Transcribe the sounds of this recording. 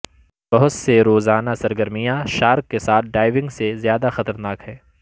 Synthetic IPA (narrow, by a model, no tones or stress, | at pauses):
b̥ɐɦʊt̪seɾoːzaːnasɐɾɡəɾmijãʃaːɾkːesaːt̪̚ʰɖaːɪʋɪ̃ŋɡsezjaːd̪axɐt̪əɾnaːkɦɛː